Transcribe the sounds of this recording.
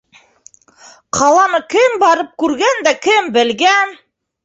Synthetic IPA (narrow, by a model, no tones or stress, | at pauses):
qʰɑlˠɑnɤkɘmbɑɾɤp̚kʉɾɡænd̪ækɘmbɘ̆lɡæn